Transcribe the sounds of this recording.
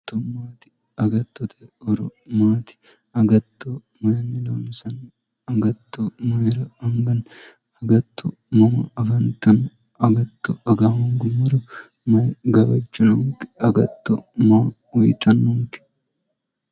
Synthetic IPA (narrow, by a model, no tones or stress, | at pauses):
t̪ːomaːt̪ɪ̥ | ɐɡɐt̪ːot̪ɐɔɾɔmaːt̪ɪ̥ | ɐɡɐt̪ːo | mɐjɐnːɪloːnsɐn | ɐɡɐt̪ːomɐjɛɾɐɐŋɡɐn | ɐɡɐt̪ʰːo̰ | mɐmɐɐfɐnt̪ɐn | ɐɡɐt̪ːoɐɡamɐŋɡʊmɐɾʊ | mɐjɡɐbɐt͡ʃːʊnɐŋkɪ̥ɐɡɐt̪ːomɐː | wʊjt̪ɐnːʊŋkɪ̥